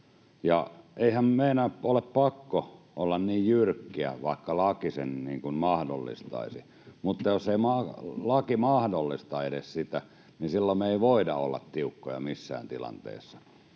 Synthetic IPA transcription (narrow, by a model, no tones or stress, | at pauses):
jɑeihæmmeinæoleppɑkːo | ʔolːɑnniːjjyrkːiæ̰ʋɑˑikːɑlɑkisenniːŋkunmɑhdo̰lːḭst̪ɑ̰isi | mut̪ːɑjoseimɑlɑkimɑhdolːist̪ɑedessit̪æ | nisilːomeˑiʋoidɑ̰o̰lːɑ̰t̪t̪iukːojɑ̰misːæ̰ːnt̪ilɑ̰nt̪ḛˑːsːɑ̥